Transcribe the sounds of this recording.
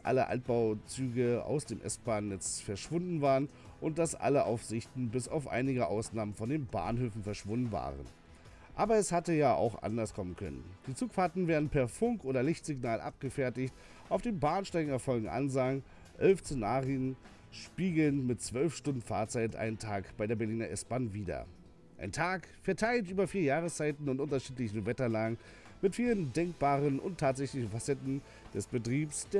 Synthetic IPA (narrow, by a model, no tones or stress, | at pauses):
ʔa̰ləʔa̰lt̚b̥aʊt͡syːɡəa̰ʊsd̥eːmʔɛ̰stb̥aːnːɛt͡sfɛɐʃv̥ʊndn̩vaːʁən | ʔʊnt̚d̥asʔa̰ləʔa̰ʊfz̥ɪçtn̩bɪsa̰ʊfʔa̰ɪnɪɡəʔaʊsnaːmənfɔndeːnba̰ːnhøːfn̩fɛɐʃv̥ʊndn̩va̰ːʁə̰n | ʔaːbɐɛshatəjaːʔa̰ʊxʔa̰ndɐskʰɔmənkʰœ̰nə̰nd̥iːt͡suːkfaɐtn̩veːɐdn̩pʰɛɐfʊŋkʔoːdɐlɪçtz̥ɪɡnaːlʔa̰p̚ɡ̥əfɛɐtɪçt | ʔaʊfd̥eːnbaːnʃtaɪɡŋ̩ɛɐfɔlɡŋ̩ʔa̰nzaŋ | ʔɛlft͡senaːʁiən | ʃpiːɡl̩ənmɪtt͡sv̥œlfʃtʊndn̩fa̰ːɐt͡saɪtʔa̰ɪnəntʰaːkb̥aɪdeːɐbɛɐliːnɐʔɛsb̥anviːdɐ̰ | ʔa̰ɪntʰaːkfɛɐtʰaɪltʔyːbɐfiːɐjaːʁəst͡saɪtn̩ʊntʔʊntɐʃiːtlɪçn̩vɛtɐlaːŋɡən | mɪtfiːləndɛŋk̚b̥aːʁənʔʊ̰ntʰːaːtz̥ɛçlɪçn̩fasɛtn̩ | d̥ɛsb̥ətʁ̥iːpsd̥eː